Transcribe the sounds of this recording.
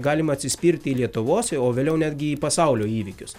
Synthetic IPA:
ɡɑːlʲɪmɐɐt̪ʲsʲɪsʲpʲiɾʲt̪ʲɪiːlʲiɛt̪ʊʋoːsʲoːʋʲeːlʲɛʊnʲæːd̪ʲɡʲɪiːpɐsɐʊlʲoːiːʋʲɪkʲʊs

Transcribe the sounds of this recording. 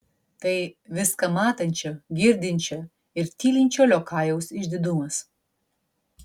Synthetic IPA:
t̪ɐɪʋʲɪskɐmɑːt̪ɐnʲt͡ʃʲoɡʲɪɾʲd̪ʲɪnʲt͡ʃʲo | ɪɾt̪ʲiːlʲɪnʲt͡ʃʲoːlʲoːkʰɑːjɛʊsɪʒʲd̪ʲɪd̪ʊmɐs

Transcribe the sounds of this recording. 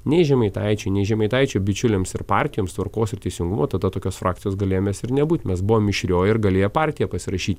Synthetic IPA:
nʲɛɪʒʲɛmɐɪt̪ɑɪt͡ʃʲɛɪnʲɛɪʒʲɛmɐɪt̪ɐɪt͡ʃʲoːbʲɪt͡ʃʲʊlʲeːmsɪɾpɑːɾʲt̪ʲɪjoːmst̪ʋɐɾkoːsɪɾt̪ʲɛɪsʲɪŋɡʊmoːt̪ɐd̪ɐt̪oːkʲoːsfɾɑːkt̪ʲɪjoːsɡɐlʲeːjomʲeːsɪɾnʲɛbuːt̪ʲmʲɛsbʊʋoːmʲɪʃʲɾʲoːjɪɾɡɐlʲeːjopɑːɾʲt̪ʲɪjɛpɐsʲɪɾɐʃʲiːt̪ʲ

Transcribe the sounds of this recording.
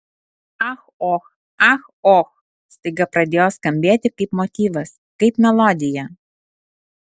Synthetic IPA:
ɐxoːx | ɐx | oːx | st̪ɐɪɡɐpɾɐd̪ʲeːjoːskɐmʲbʲeːt̪ʲɪkɐɪpmɔt̪ʲiːʋɐs | kɐɪpmʲɛlˠɔːd̪ʲɪjɛ

